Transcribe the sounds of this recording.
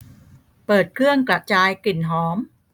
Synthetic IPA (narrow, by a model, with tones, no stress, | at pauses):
pɤː˨˩t̪̚kʰɯ˥˩əŋkla˨˩ʔt͡ɕaː˧jki˨˩nɦɔː˩˦m